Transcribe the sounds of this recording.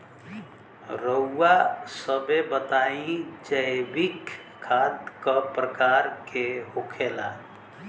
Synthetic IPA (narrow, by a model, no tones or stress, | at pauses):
ɾəuːasəbebət̪aĩd͡ʒəjbikːʰ | ad̪kəpɾəkaɾkeɦokʰela̰